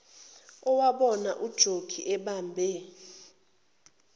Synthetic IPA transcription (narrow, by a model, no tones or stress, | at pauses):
ɔwaɓɔnaʔud̥ʒ̥ʱoɡ̥ʱiʔɛɓambʱɛ